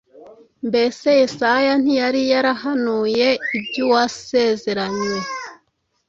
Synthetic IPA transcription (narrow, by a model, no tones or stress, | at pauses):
mbe̞se̞jisajan̥ijaɾijaɾaɦanuːje̞ibɟuwase̞ze̞ɾaɲwe